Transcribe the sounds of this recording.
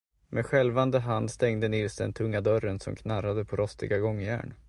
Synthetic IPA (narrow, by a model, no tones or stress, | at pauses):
meɧɛlvand̪əɦand̪st̪ɛŋd̪ənɪlsd̪ɛ̰nt̪ʰɵŋːad̪œɾənsɔ̰mkʰnaɾːad̪əpʰɔɾɔst̪ɪɡaɡɔŋːjæ̰ːɳ